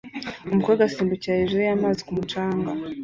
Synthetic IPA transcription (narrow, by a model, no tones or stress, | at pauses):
umukoɡasiːmbucahiʒuɾijamaːzikumut͡ʃaːŋɡa